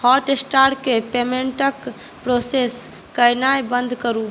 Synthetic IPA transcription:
hɔʈesʈaɾʈkepemeɳʈək | pɾoses | kəjnajbənd̪ʱkəɾu

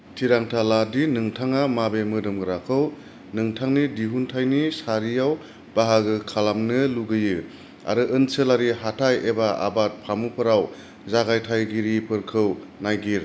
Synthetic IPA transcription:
tʰiɾaŋtʰaladinɯŋtʰaŋamabemɯdɯmɡɯɾakʰɯw | nɯŋtʰaŋnidiɦuntʰajnisaɾijaw | b̥aɦaɡɯkʰalamnɯluɡɯjɯ | a̰ɾɯʔɯnsɯlaɾiɦatʰajebaa̰bat̚pʰamupʰɯɾaw | zaɡajtʰajɡiɾipʰɯɾkʰɯwnajɡiɾ

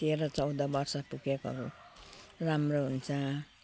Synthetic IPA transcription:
t̪eɾʌt͡sʌwd̪ʌbʌrsʌpukekɦʌɾu | ramroɦunt͡sʰʌ

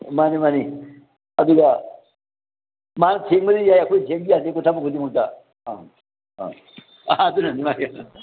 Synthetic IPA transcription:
manimani | ɐd̪uɡa | manɐtʰeŋbɐdijajɐkʰojtʰeŋbijasekutʰabɐkʰudimuk̚ta̰ | dunanimak

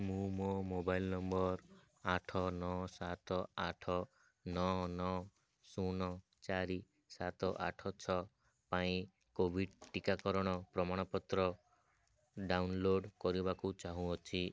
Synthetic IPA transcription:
mũmomobailnɔmbɔɾ | aʈʰɔnɔsat̪ɔaʈʰɔ | nɔɦnɔ | sunɔ | t͡ʃaɾi | sat̪ɔʔa̰ʈʰɔt͡ʃʰɔ | paĩ | kobʱiɖʈikakɔɾɔɽ̃ɔpɾɔmaɽ̃ɔpɔt̪ɾɔ | ɖawnloɖkɔɾibakut͡ʃaɦũɔt͡ʃʰi

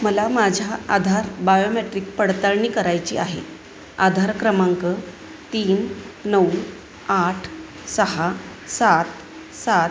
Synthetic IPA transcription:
məlamad͡ʑʱaad̪ʱaɾbajomeʈɾiːk̚pəɽt̪əɭɳiːkəɾajt͡ɕḭːaɦḛ | a̰d̪ʱaɾkɾəmaŋkə | t̪iːnnəw | aʈʰ | səɦa | sat̪ | sa

